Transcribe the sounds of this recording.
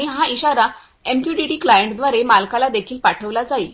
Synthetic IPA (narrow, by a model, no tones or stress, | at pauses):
iɦãiɕaɾa | empjuʈiʈiːklajəɳʈd̪ʋaɾemalkalad̪ekʰiːlpaʈʰəʋlad͡zaiː